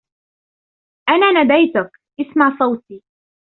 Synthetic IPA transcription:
ʔanaːnad̪ajt̪ʊk | ʔɪsmaʕsˤɑwt̪iː

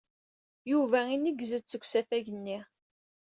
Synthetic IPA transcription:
juvæinːəɡzət͡sːəɡʷsæfæʝənːi

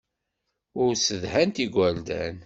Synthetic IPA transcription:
ʊɾsəðhænt̪iɡʷæld̪æ̰n

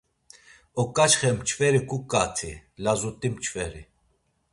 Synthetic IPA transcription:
ɔkʼat͡ʃχɛmt͡ʃʰfɛɾikʼukʼat̪ʰilazut̪ʼimt͡ʃʰfɛɾi

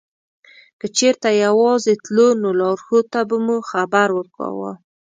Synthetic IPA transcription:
kət͡ʃeɾt̪ajawɑzet̪lonolɑɾxot̪abamuxabaɾwəɾkɑ̰wə̰

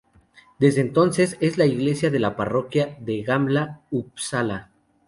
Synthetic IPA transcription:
d̪e̞zðeːnt̪o̞nse̞se̞zlaiɣle̞sjaðe̞laparo̞kjaðe̞ɣamblaupsala

